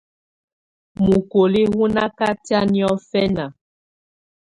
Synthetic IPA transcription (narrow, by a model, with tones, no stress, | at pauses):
mu˨ko˨li˦ɣu˦na˦ka˦ti˦a˦ni˦ɔ˦fɛ˦na˨